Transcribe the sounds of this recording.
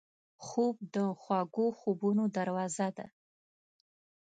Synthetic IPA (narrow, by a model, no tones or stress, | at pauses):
xob̚d̪əxwɑɡoxobunod̪aɾwɑzad̪a̰